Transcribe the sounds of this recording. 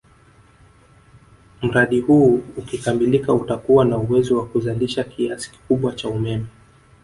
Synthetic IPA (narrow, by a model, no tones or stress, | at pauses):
m̩ɾaɗihuːukikamilikautakuwanauwɛzɔwakuzaliʃakiasi̥ki̥kuɓwat͡ʃaumɛmɛ